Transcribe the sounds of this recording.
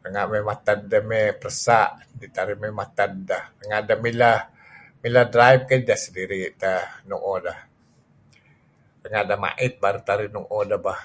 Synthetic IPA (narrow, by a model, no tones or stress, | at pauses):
təŋaʔmɛmat̪andəmɛpərəsaʔ | dit̪aɾɪmɛmat̪andahtəŋaʔdəmila | miladɾajb̚kədahsədiɾit̪ənuʔodah | t̪əŋaʔdama̰ʔɪt̪̚baɾut̪aɾɪhnuʔodahbah